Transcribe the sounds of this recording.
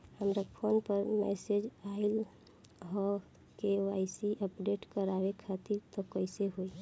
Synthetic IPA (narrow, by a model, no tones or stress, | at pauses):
həmɾapʰoːnpəɾmɛ̰sed͡ʒaɪl | ɦɔ | keaɪsiʔəpɖeʈkəɾaʋekʰat̪iɾt̪ɔkəɪseɦoi